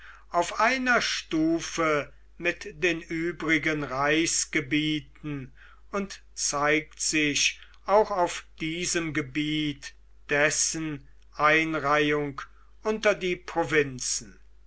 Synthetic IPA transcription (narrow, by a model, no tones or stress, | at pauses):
ʔaʊfʔaɪnɐʃtuːfə | mɪtd̥eːnʔyːbʁɪɡənʁaɪsɡ̥əbiːtn̩ | ʊnt | t͡saɪktz̥ɪʃ | ʔaʊxaʊfd̥iːzəmɡəbiːt | d̥ɛsən | ʔaɪnʁaɪʊŋk | ʔʊntɐdiːpʁ̥ovɪnt͡sn̩